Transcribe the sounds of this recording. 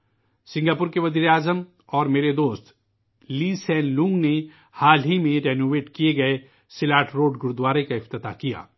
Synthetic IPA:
sɪ̃ŋɡaːpʊɾkeʋɐziːɾeaːzəm | ɔːɾmeːɾed̪oːst̪ | liːsɛ̃ːnlũːŋɡne | haːlɦimẽɾeːnoːʋeːʈkijeɡɐe | sɪlaːʈʰɾoːɖɡʊɾud̪waːɾekaɪft̪ɪt̪a̰kija̰ː

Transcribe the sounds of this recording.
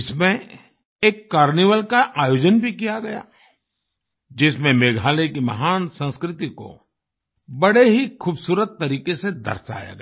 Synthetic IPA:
ɪsmẽ | eːkːaːɾniːʋəlkaʔaːjoːd͡ʒənbʱikijaɡɐja̰ː | d͡ʒɪsmẽmeːɡʱaːlekimɐ̰ɦaːnsə̃nskɾɪt̪iko̰ | bɐɽeɦikʰuːbsuːɾət̪ːɐɾiːkesed̪ɐ̰ɾsa̰ːja̰ɡɐ

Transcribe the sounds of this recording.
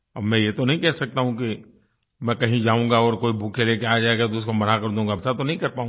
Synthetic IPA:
ɐ̰bmɛ̃jet̪onɐɦĩkɛɦsɐk̚t̪aɦũki | mɛ̃kɐɦĩd͡ʒaːũːɡaɔːɾkoːibʱukʰeleːkeaːd͡ʒaːeɡat̪oʊskomɐnakɐɾd̪ũːŋɡabsat̪onɐɦĩkɐɾpaːũː

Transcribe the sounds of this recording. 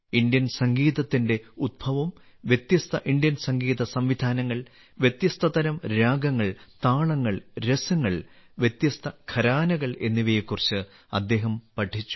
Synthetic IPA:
ind̪jɐnsɐŋɡiːðɐt̪ːinde̞ud̪̚bʱɐʋɐm | ʋjet̪jɐst̪ʰɐʔind̪jɐnsɐŋɡiːðɐsɐmʋid̪ʱaːnɐŋːɐɭ | ʋje̞t̪jɐst̪ʰɐðɐɾɐmɾaːɡɐŋːɐɭt̪aːɭɐŋːɐɭɾesɐŋːɐɭ | ʋjet̪jɐst̪ʰɐkʰɐɾaːnɐɣɐɭe̞nːiʋejekːurit͡ɕːɨ | ɐd̪ːe̞ːɦɐmpɐʈʰːit͡ɕːu̥

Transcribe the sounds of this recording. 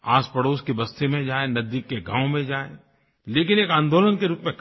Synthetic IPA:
aːspəɽoːskibɐst̪imẽd͡ʒaːenɐzd̪ɪkːeɡʱã̰ːwmẽd͡ʒaːe | leːkɪneːkãːnd̪oːlənkeɾuːpmẽk

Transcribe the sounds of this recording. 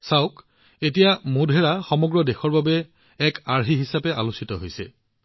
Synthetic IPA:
saʊk | etijamudʱɛɹaxɔmɔɡɹɔdexɔɹbabɛː | kaɹɦiɦisapɛʔa̰lusitɔɦojsɛ̰

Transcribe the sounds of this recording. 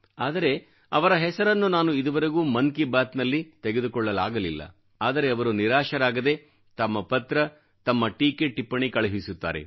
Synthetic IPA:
aːd̪ɐɾe̞ | ɐʋɐɾɐɦɛsɐɾɐnːunaːnuid̪ɐʋɐɾeɡuːmɐnkibaːt̪nɐlːit̪eɡe̞d̪ukɔɭːɐlaːɡɐlilːɐ̰ | aːd̪ɐɾe̞ɐʋɐɾuniɾaːʃɐɾaːɡɐd̪e̞ | t̪ɐmːɐpɐt̪ɾɐ | t̪ɐmːɐʈiːkeʈːipːɐɳikɐɭɐɦisut̪ːa̰ːɾe̞̰

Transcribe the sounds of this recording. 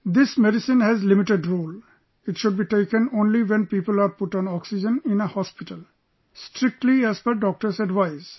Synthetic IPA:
d̪ɪsmeɖisĩnhɛzlimiʈeɖɾoːl | ɪʈʃʊɖ̚biʈeɪkə̃nõnliwɛ̃npiːpəlaːɾpʊʈɔ̃nɔksid͡ʒə̃nɪ̃nehɔspiʈəl | sʈɾɪk̚ʈliɛzpəɾɖɔk̚ʈəɾsɛɖʋaɪz

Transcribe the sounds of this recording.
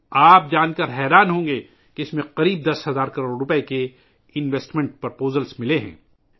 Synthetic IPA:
aːp̚d͡ʒaːnkɐɾɦɛːɾaːnɦõːŋɡe | keɪsmẽqɐɾiːb̚d̪ɐsɦɐzaːɾkɐɾoːɖɾʊpeke | ɪnʋeːsʈmɛ̃ɳʈ̚pɐɾpoːzəlsmɪleɦɛ̰̃ː

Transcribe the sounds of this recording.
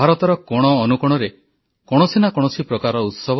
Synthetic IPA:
aɾɔt̪ɔɾɔkɔɽ̃ɔːnukɔɽ̃ɔɾe | kɔɽ̃ɔsinakɔɽ̃ɔsipɾɔkaɾɔut̪sɔb

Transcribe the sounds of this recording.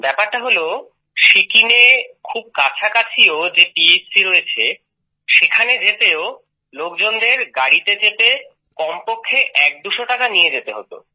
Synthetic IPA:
bɛpaɾʈaɦolo | ʃikinekʰub̚kat͡ɕʰakat͡ɕʰiod͡ʑepiessiɾoet͡ɕʰe | ʃekʰaned͡ʑet̪eo | lok̚d͡ʑond̪eɾɡaɽit̪et͡ɕepe | kɔmpokʰːeʔɛk̚d̪uʃoʈakanijed͡ʑet̪eɦo̰t̪o̰

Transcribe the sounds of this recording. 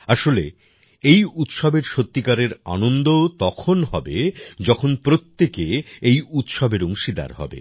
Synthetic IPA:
aʃole | ejut̪ʃobeɾʃot̪ːikaɾeɾa̰nond̪ot̪ɔkʰonɦɔbed͡ʑɔkʰonpɾot̪ːekeejut̪ʃobeɾoŋʃid̪a̰ɾɦɔ̰bḛ

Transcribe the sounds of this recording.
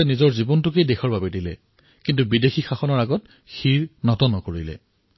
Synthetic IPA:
ɛnizɔɹzibɔntʊkejdexɔɹbabɛdilɛ | kintubidexixaxɔnɔɹaɡɔt | xiɹnɔtɔnɔkoɹilɛ̰

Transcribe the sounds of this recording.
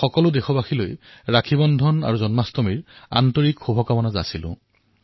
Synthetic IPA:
xɔkɔlʊdexɔbaxʰilojɹakʰibɔndʱɔna̰ɹuzɔnmastɔmiɹa̰ntɔɹikxubʱɔkamɔnaza̰silʊ̰̃

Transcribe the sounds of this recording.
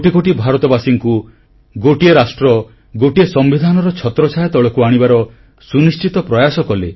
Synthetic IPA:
oʈikoʈibʱaɾɔt̪ɔbasiŋku | ɡoʈieɾasʈɾɔ | ɡoʈiesɔmbid̪ʱanɔɾɔt͡ʃʰɔt̪ɾɔt͡ʃʰajɔt̪ɔɭɔkuaɽ̃ibaɾɔ | sunist͡ʃit̪ɔpɾɔjasɔkɔle

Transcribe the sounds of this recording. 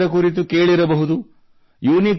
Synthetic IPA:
ɐkuɾit̪̬ukeːɭiɾɐbɐɦud̪u | juːnik

